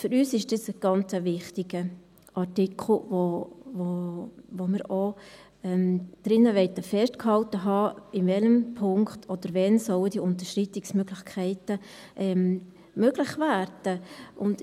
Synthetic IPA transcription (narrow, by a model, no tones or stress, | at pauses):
fʏɾyːsɪʃd̥ɪsəɡ̥ɑnt͡səvɪχtɪɡə | ʔɑtɪkʰl̩vovovomɪɾo | ɛmd̥ɾɪnːəʋɛɪtəfɛstkhɑltəɦɑːɪnvɛləmpʰʊŋktʰɔd̥əɾvɛnsɔwəd̥iʊnt̬əʃritɪksmøɡlɪxkʰɛɪtəʔɛm | møɡ̥lɪχvæːɾd̥əʔʊnd